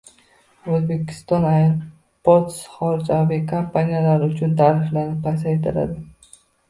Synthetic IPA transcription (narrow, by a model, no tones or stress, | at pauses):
ozbe̞kʲʰɪ̥st̪ɒnaj | pot̪sχɒɾd͡ʒabikʰampʰanijalaɾɪʊt͡ʃʰʊnt̪ʰaːɾɪflaɾnɪp̚ʰːajs̬aet̪ʰɪla̰d̪ɪ